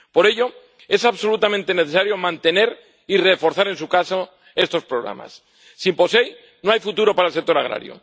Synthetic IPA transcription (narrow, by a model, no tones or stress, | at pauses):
po̞ɾe̞ʎo̞ | e̞saβso̞lut̪amẽnt̪e̞neθesaɾjo̞mãnt̪ene̞ɾ | irefo̞ɾθaɾẽ̞nsukaso | e̞st̪o̞spɾoɣɾa̰ma̰sː | impo̞se̞j | noajfut̪uɾo̞paɾaelsek̚t̪o̞ɾaɣ̞ɾa̰ɾjo̰